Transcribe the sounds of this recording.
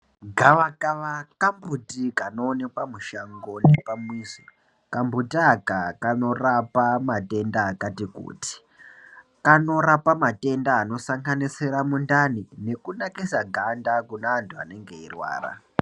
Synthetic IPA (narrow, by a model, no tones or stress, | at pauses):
ɡʱaʋakaʋakambutikanoːnekwamuʃaŋɡo̞ne̞pamwizi | kambutiakakano̞rapamate̞ndaːkatikṵːti̥ | kano̞ɾapamate̞ndaːno̞saŋɡanisiɾamundanine̞kunakisaɡʱandakunaːntʰua̰ne̞ŋɡe̞irwa̰ːra̰